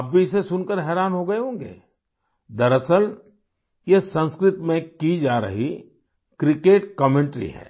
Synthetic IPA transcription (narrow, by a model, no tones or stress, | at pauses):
ɐbbʱiɪsesʊnkəɾɦɛːɾaːnɦoɡɐeɦõːŋɡḛː | d̪ɐɾəsəl | jesɐ̃nskɾɪt̪mẽkid͡ʒaːɾɐ̰ɦi | kɾɪkeːʈkəmẽɳʈɾḭɦɛ̰ː